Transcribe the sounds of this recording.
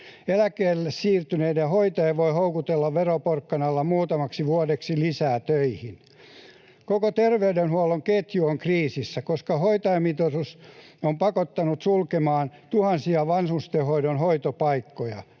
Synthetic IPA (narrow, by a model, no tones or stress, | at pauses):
elækeːlːessiːrt̪yneidehoit̪ɑeʋoihoukut̪elːɑʋʋeroporkːɑnɑlːɑmuːt̪ɑmɑksiʋuodeksilisæːt̪øihin | kokot̪erʋeydenhuoloŋket̪juoŋkriːsisːækoskɑhoit̪ɑjɑmit̪osusompɑkot̪ːɑnut̪sulkemɑːnt̪uhɑnsiɑʋɑnsust̪ehoidonɦoit̪opɑikːojɑ̰